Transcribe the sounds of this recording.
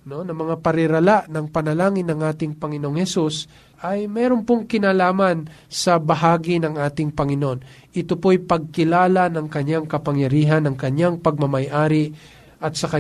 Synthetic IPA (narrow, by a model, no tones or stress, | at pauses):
no̞nɐmɐŋapɐɾɪɾɐlaʔnɐŋpɐnɐlaːŋɪnɐŋʔaːt̪ɪŋpɐŋɪnoŋhɛsus | ʔɐjmɛːɾonpoŋkɪnaːlaːmɐnsɐbɐɦaːɡɪnɐŋʔaːt̪ɪŋpɐŋɪnoʔon | ʔɪt̪opojpɐɡ̚kɪlaːlanɐŋkɐɲjaŋkɐpɐŋjɐɾiːɦɐnɐŋkɐɲjaŋpɐɡ̚mɐmɐjʔaːɾɪ | ʔɐt̪̚sɐkɐ